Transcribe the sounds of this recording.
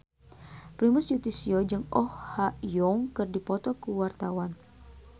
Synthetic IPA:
pɾimʊsjut̪isiɔd͡ʒɨŋɔhhajɔŋkɨrdipɔt̪ɔkəwart̪awan

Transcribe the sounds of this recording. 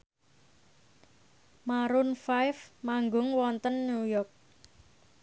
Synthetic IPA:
maɾʊnfajfmaŋɡʊŋwɔnt̪ənːujɔrk̚

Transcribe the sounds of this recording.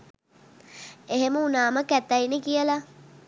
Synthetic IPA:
eɦeməunaːməkæt̪ːainekijəla

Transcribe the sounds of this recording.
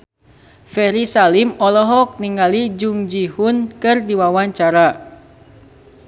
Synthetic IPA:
fɛɾisalimɔlɔɦɔk̚niŋalid͡ʒuŋd͡ʒihunkɨrdiwawaɲt͡ʃaɾa

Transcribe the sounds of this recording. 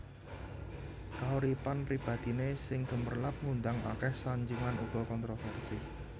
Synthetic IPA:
kauɾipanpɾib̥ä̤d̪̥i̤nesɪŋɡ̥ə̤mərlap̚ŋund̪aŋa̰kɛhsaɲd͡ʒuŋanuɡ̥ɔ̤kɔnt̪ɾofɛrsi

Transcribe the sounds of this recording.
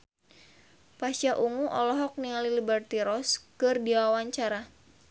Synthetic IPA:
pasaʔuŋuʔɔlɔɦɔk̚nialilibɛrt̪iɾɔskɨrdiawaɲt͡ʃaɾa

